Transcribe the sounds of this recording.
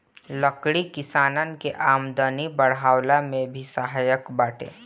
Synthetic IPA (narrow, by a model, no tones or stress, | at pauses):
ləkɽikɪsaːnənkeʔaːmd̪ənibəɽaːwlamẽbʱisəɦaːjəkbaːʈʰḛ̃ː